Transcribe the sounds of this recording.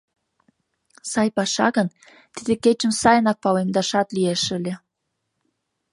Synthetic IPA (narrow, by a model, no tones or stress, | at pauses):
sɑjpɑʃɑ̰ɣən | t̪id̪eket͡ɕə̆msɑjənɑk̚pɑwemd̪ɑʃɑt̪lieʃəlʲe